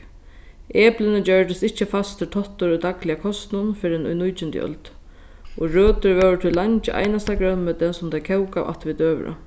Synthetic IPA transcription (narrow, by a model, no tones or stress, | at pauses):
eːplɪnɪd͡ʑœɹd̪ɪst̪ɪht͡ɕːəfast̪ʰːɪlt̪ʰɔht̪ːʊɾʊjd̪aklɪjakʰɔst̪nʊnfɪɾɛnʊ̰jnujt͡ʃɪnt̪j̰œ̰lt̪ | ɔɹøːt̪ʏɹʋɛwt̪ʰɪlːaɲt͡ʃɪʔa̰jnast̪aɡɾœnmɛt̪ʰɛnsʊmt̪ʰakʰɛwkawa̰ht̪ʋɪt̪øːʋ̰ɾə̰